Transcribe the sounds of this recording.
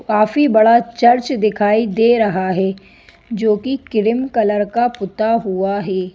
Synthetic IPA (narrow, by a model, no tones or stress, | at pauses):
kaːfibɐɽat͡ʃɐɾt͡ʃd̪ɪkʰaːid̪eːɾɐɦaɦɛː | d͡ʒoːkikɪɾɪmkɐləɾkapʊt̪aɦuaɦɛː